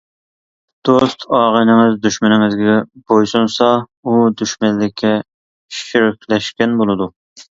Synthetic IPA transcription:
d̪̥ost̪ʰɑːʁənɪŋɨzd̪yʃmɪnɪŋɪzɡʲɛbojsunsɑ | ud̪yʃmɛlːɪkʲʰːɛ | ʃyɾɪkʲʰlɛʃkʲɛnbolˠɨd̪u

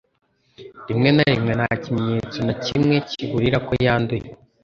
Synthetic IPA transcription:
ɾimŋe̞naɾimŋe̞nhacimɲeːt͡sonacimŋe̞ciɡuɾiɾakojaːnduje

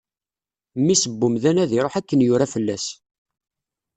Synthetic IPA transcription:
mːisəbːumðænæðiɾˤoħækːənjʊɾafəlːæs

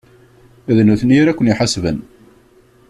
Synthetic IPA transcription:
æðnuθənjɾækʷːənjiħasvə̰n

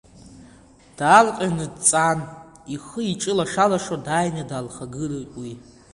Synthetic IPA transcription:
d̥alqʼanɨdt͡sʼan | iχəiʈ͡ʂʼɨlaʂalaʂodajnadalχaɡɨrawi

